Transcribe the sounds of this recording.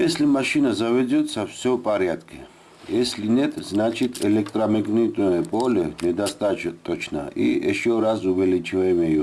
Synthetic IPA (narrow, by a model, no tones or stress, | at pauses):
jɛslimaʃinazavɛd͡zʲɔt̪sɐfsʲɔpʼaɾjad̪kʼʰi | jɛsʲlʲinɛt̪ʼznat͡ʃʰit̪ʰʼɛlɛk̚t̪ʼɾamɛɡnit̪ʼujɛpʼɔlʲɛnɛd̪ast̪ʼat͡ʃt̪ʼːɔt͡ʃʰna̰ḭḭʃɔɾasuvɛlit͡ʃʰivajɛmɛju